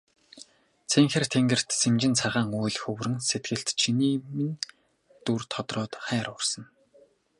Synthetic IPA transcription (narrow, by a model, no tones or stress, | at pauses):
t͡sʰeŋxɘ̆rt̪ʰeŋɡɘ̆r̥t̪semt͡ɕɪ̆nt͡sʰaʁaːŋujɮxɵwrɘ̆nset̪̚ɡɘ̆ɬt̪t͡ɕʰiniːmɘ̆n | t̪urt̪ʰɔt̪rɔːt̪χæːɾʊrsɞ̆n